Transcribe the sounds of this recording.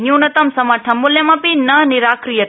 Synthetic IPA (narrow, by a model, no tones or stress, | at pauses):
njunɐt̪ɐmsɐmaʈʰɐmːʊljɐmɐ̃pinɐniɾakɾijɐt̪